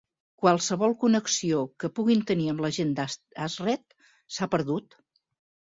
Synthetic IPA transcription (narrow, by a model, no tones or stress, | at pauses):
kwalˠsəβɔlˠkunəksiokəpuɣint̪əniəmləʒend̪aazrɛt̪ | sapəɾðut̪